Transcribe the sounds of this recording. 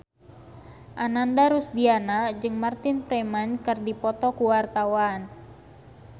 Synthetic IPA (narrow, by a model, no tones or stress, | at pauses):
ʔanandaɾusdianad͡ʒɨŋmart̪ɪnfɾemankɨrdipɔt̪ɔkuwart̪awan